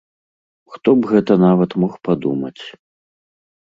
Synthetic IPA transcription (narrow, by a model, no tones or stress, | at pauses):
xt̪ɔbɣɛt̪ɐnavɐt̪mɔxpad̪umɐ̰t͡sʲ